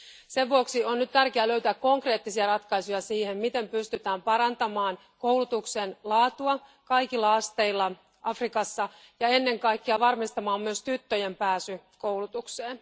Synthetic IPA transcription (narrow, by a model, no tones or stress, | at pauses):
se̞ʋʋuoksionnyt̪t̪ærkeæløyt̪ækko̞ŋkre̞ːt̪ːisiɑrɑt̪kɑjsujɑsiːhemmit̪e̞mpyst̪yt̪æːmpɑɾɑnt̪ɑmɑːn | kowlut̪uksenlɑːt̪uɑkɑjkilːɑɑst̪eilːɑ | ʔɑfrikɑsːɑ | jɑe̞nːe̞ŋkɑikːiɑʋɑrmist̪ɑmɑːmːyøst̪yt̪ːøjempæːsykowlut̪ukseːn